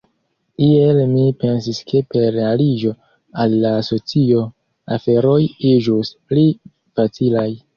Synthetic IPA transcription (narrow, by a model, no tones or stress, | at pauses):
ielmipe̞nsiskʰe̞pe̞ɾealid͡ʒo̞ | alːaso̞t͡sio̞ | afe̞ɾo̞jid͡ʒuspli | fat͡silaj